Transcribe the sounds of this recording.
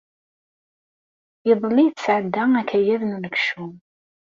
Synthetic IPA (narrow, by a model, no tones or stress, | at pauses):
jəðˤlːijt͡sːəsʕəd̪ːæækːæjæðnunəkʃu